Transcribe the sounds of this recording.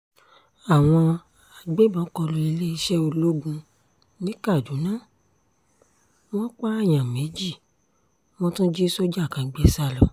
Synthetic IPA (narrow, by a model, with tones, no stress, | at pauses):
a˨w̃ɔ̃˧ | a˨ɡ͡be˦bɔ˨˦kɔ˧lo˧i˧le˦i˧ʃɛ˦o˧lo˦ɡũ˧ | nĩ˦ka˦˨d͡ʒu˨˦nã˦˨ | w̃ɔ̃˦k͡pa˦a˦˨j̃ã˨me˨˦d͡ʒi˦˨ | mɔ̃˧tũ˦d͡ʒi˦so˦d͡ʒa˦˨kã˨ɡ͡bɛ˧sa˧lɔ˧